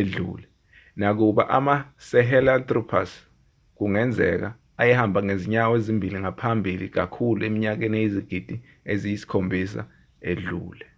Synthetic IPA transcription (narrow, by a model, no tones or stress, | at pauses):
eɮṵːlɛ | nak̬uɓa̰ʔamasɛɦɛlant̪ʼrɔpʰa̰s | k̬uŋɛnd͡zʱɛ̰k̬a̰ | ajɛhambʱaŋeziɲawezimbʱiliŋapʰambʱilḭk̬a̰kʰuluemiɲak̬ɛnejiziɡ̥ʱid̥ʱi | ezijisi̥kʰombʱis̬a̰ | eɮṵːlɛ